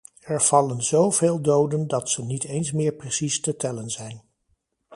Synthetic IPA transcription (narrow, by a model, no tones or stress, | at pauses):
ɛɹv̥ɑlənzowv̥eːlˠdowdəndɑtsənitejnsmɪːɹprəsistətɛlənzɛjn